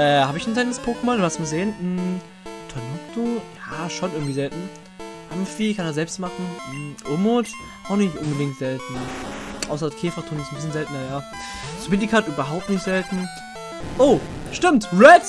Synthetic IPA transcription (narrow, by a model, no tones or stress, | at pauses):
ʔɛːhaːbəɪçnzɛltnəspʰoːkəmɔnduhastmaːzeːənm̩ | tʰɔnitʰujaːʃonʔɪɐɡŋ̩tv̥iːzɛltn̩ | ʔamfiːkʰaneːɐzɛlpstmaχn̩m̩ʔomot | ʔaʊxnɪçtʔʊnbədɪŋtz̥ɛltn̩ʔaʊsɐkʰeːfɐtʰuːnɪstn̩bɪsçənzɛltnɐjaː | sbɪndikʰaːtʔyːbɐɦaʊp̚tnɪçtz̥ɛltn̩ | ʔoːʃtɪmtʁɛt